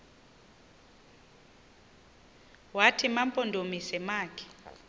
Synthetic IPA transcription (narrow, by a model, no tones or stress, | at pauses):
watʰimampʼɔndʱomisɛmaːkʰɛ̥